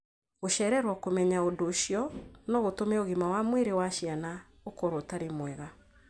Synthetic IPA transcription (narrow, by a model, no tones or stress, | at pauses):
ɣoʃɛɾɛɾwakomɛɲaodoʃijɔnɔɣotomɛoɣimawamweɾewaʃiana | okoɾotaɾemwɛɣa